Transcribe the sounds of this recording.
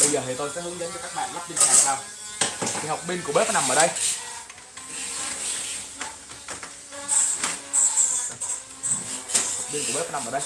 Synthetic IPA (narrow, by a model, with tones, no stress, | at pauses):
ɓə˧jzəː˨˩t̪ʰi˨˩t̪o˧jsɛ̰˧˥hɨ˨˦əŋɗə˨˦nt͡ɕɔ˧˩kaː˦˥k̚ɓa̰ː˧˨nla˦˥k͡p̚ɓi˧nka˧˦˨a˨˩˨saː˧w | t̪ʰi˨˩ha˨˩wk͡p̚ɓi˧nku˧˩əɓe˦˥fɔ˨˦na˨˩mʔəː˧˩ɗə˧j | ha˨˩wk͡p̚ɓi˧nkɓe˦˥a˨˦na˨˩məː˧˩ɗə˧j